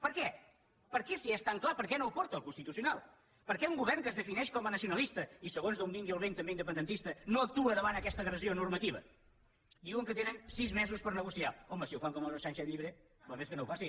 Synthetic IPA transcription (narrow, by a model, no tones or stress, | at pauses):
pəɾkɛ | pəɾkɛsiɛst̪aŋklˠapəɾkɛnowpɔɾt̪əːlˠkunst̪it̪usiunalˠ | pəɾkɛuŋɡuβɛɾŋkəzðəfinɛʃkɔmənəsiunəlˠist̪əisəɣonzðoumiŋɡiəlˠβent̪əmbeind̪əp̬ənd̪ənt̪ist̪ənoək̚t̪uəðəβanəkɛst̪əːɣɾəzionuɾmət̪iβə̰ | d̪iwəŋkət̪enənsizmɛzuspəɾnəɣusiaɔməsiəwfaŋkɔməoʃanʃɛʎiβɾe | bəmeskənowfasi